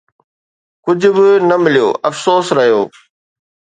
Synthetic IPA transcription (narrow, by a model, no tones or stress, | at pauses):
kʊd͡ʑʱʊbɪnɐmɪlijo̰ːɐfsoːsɾɐɦijoː